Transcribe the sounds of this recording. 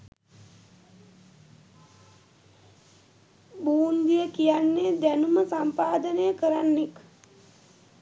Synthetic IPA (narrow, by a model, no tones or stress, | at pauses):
buːnd̪ijəkijanːeːd̪ænuməsampaːd̪ənəjəkəɾanːek